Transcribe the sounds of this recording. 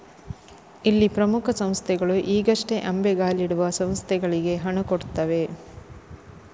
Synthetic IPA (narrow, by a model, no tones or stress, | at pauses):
ilːipɾɐmukʰɐsɐm̃st̪ʰɛɡɐɭuʔiːɡɐʂʈe̞ʔɐmbeɡaːliɽuʋɐsɐ̃m̃st̪ʰɛɡɐɭiɡe̞ɦɐɳukoɽt̪ːɐʋe̞